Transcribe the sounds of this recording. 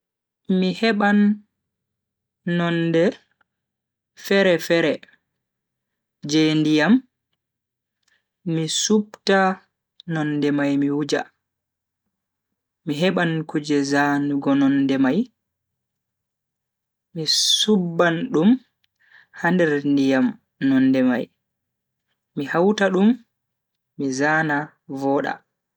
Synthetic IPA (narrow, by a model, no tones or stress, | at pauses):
mihɛɓan | ɔndɛ | fɛɾɛfɛɾɛ | d͡ʒendijam | isupta | nɔndɛmajmiwud͡ʒa̰ | miɦɛɓankud͡ʒɛzanuɡɔnɔndɛmaj | misubːanɗum | handɛɾndijam | nɔnːdɛma̰j | mihawtaɗumː | izaːna | vɔːɗa̰